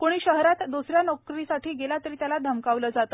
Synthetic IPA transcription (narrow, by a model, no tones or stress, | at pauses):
koɽ̃iːɕəɦɾat̪d̪usɾjanɔkɾisaʈiːɡelat̪əɾiːt̪jalad̪ʱəmkaʋləːd͡zat̪əː